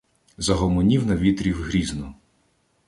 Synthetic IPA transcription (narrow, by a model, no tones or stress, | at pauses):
zɐɦɔmɔnʲiwnɐʋʲit̪ɾʲiwɦɾʲiznɔ